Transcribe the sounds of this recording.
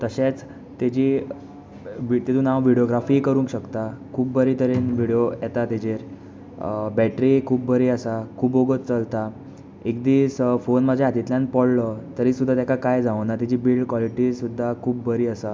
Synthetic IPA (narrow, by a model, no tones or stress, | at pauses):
t̪əɕẽt͡s | t̪et͡ɕi | ʋit̪et̪ũnaʋʋiɽioɡɾafiːkəɾũːŋkɕəkt̪akʰuːp̚bəɾit̪ʰəɾenʋiɽijojɛt̪at̪ed͡ʑeɾ | bɛʈɾikʰuːbbəɾiːəsakʰuːboɡət̪t͡səlt̪a | ek̚d̪iːsfonməd͡ʑʱeat̪it̪ljãnpɔɽlət̪əɾisud̪ʱːat̪jakʰakajd͡zãʋnat̪id͡ʑiːbilɖkʋɔliʈisud̪ʱːakʰuːbbəɾiːəsa